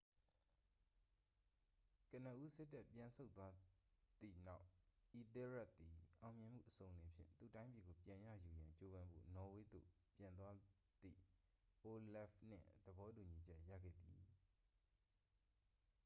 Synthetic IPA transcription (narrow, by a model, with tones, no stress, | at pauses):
kə˨n̥ə˨ʔu˦sɪ˦tːɛ˦˨ʔpjã˨nsʰo˦ʊt̪ːwa˦d̪ḭ˦˨na˦˨ʊʔʔi˨t̪ɛ˦ɹɛ˦ʔ̚t̪i˨ʔã˨ʊ̃mjɪ̃˨m̥ṵ˦˨ʔəsõ˨ʊ̃˨lɪ̃˨pʰjɪ̰̃˦˨nt̪ṵ˦˨tã˦ɪ̃mpi˨ɡo˨pjã˨ja̰˦˨ju˨jã˨ɲt͡ɕo˦bã˦mbo̰˦˨nɔ˨we˦d̪o̰˦˨pjã˨nt̪wa˦ | d̪ḭ˦˨ | ʔo˨lɛ˦fn̥ɪ̰̃˦˨d̪̥əbɔ˦tu˨ɲi˨d͡ʑɛ˦ʔjä̰˦˨ɡɛ̰˦˨d̪ḭ˨